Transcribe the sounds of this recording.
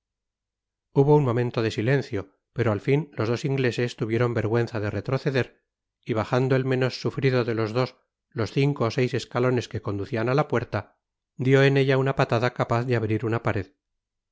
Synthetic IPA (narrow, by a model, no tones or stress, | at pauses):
uβo̞unmo̞mẽnt̪o̞ð̞e̞sile̞n̟θjo̞ | pe̞ɾoalfinlo̞zð̞o̞siŋɡle̞se̞st̪uβjeɾo̞mbe̞ɾɣwe̞n̟θaðe̞ret̪ɾo̞θe̞ðe̞ɾ | iβ̞aχand̪oe̞lmẽ̞nosːufɾiðo̞ðe̞lo̞zðo̞s | lo̞sθiŋko̞ːsejse̞skalo̞ne̞ske̞ko̞nd̪uθianalapwe̞ɾt̪a | d̪jo̞ene̞ʎaunapat̪aðakapaθðeaβɾiɾunapaɾe̞ð